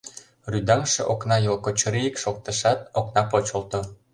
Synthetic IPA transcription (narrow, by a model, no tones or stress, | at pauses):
ryd̪ɑŋʃĕʔoknɑjolkot͡ɕoɾijikʃok̚t̪ə̆ʃɑt̪̚oknɑpot͡ɕŏlt̪o